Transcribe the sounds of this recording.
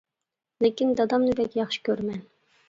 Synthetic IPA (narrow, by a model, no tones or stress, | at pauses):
lekʲind̪ɑd̪ɑmnɨbɛkʲjɑχʃɨ̥kʲʰøɾmɛn